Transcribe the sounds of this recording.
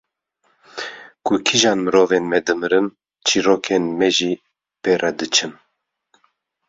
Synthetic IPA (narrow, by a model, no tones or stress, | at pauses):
kukʰiʒɑːnmɨɾoːveːnmɛd̪ɨmɨɾɨn | t͡ʃʰiɾoːkʰenmɛʒiː | peːrʔɛd̪ɨt͡ʃʰɨn